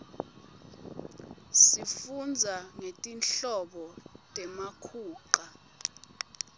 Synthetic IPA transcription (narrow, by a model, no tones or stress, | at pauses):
sifund͡zʱaŋetʼinɬɔɓɔtʼɛmakʰuːǃa